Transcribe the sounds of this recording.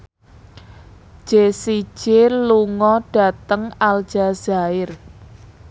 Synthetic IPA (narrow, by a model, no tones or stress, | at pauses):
ʒ̥esi̥ʒ̥eluŋɔɖ̥a̤t̪əŋald̥ʒ̥az̥aɪr